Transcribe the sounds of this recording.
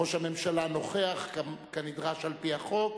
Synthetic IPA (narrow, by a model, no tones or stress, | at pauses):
oʃhame̞mʃalano̞χe̞aχkkenidʁaʃalpiaχo̞k